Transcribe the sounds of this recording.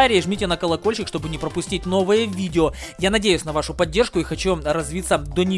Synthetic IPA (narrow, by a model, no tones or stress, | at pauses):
aɾʲɪːʐmʲitʲɪnəkɐlˠɐko̞lʲɕɪkʂt̪o̞bɨnʲɪpɾəpʊsʲtʲit̚ʲn̪o̞vɨjəvʲidʲɪo | janɐdʲejʊsʲnɐvaʂʊpɐdʲːe̞rʂkʊixɐt͡ɕurɐzvʲit̪sːəd̪onʲɪ